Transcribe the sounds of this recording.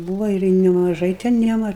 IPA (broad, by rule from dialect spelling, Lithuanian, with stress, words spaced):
ˈbuːʋɐ ɪr nʲɛmɐˈʒɐɪ tʲɛn ˈjiɛm ˈɐr